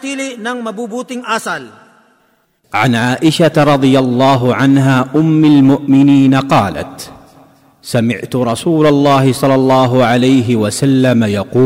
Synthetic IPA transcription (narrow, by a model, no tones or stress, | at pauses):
t̪iːlɪʔnaŋmɐbubuːt̪ɪŋʔasal | ʕanʕaːʔɪʃatɾˤɑd̪ˤɨjalˤːɑːɦʊʕanɦaːʔʊmːalmʊʔmɪniːnaqɑːla̰t̪ | samɪʕt̪ʊɾˤɑsuːlalˤːɑːɦɪsˤɑlːɑlˤːɑːɦʊʕalajɦɪwasalːamajɑquː